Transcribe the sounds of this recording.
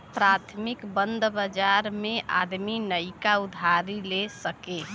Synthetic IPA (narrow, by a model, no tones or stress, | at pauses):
pɾat̪ʰmikbə̃nd̪ʱbəd͡ʒaɾmẽʔa̰d̪minəɪkaud̪ʱaɾilesəke